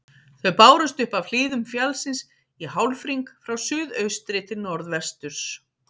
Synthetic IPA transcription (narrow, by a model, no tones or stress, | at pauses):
θœɥpaːwɾʏst̪ʏhpav̥fl̥iːðʏmfjalsɪns | iɦawlfɾiŋkfɾawsʏːðœɥst̪ɾɪt̪ʰɪlnɔɾðvɛr̥st̪ʏɾ̥s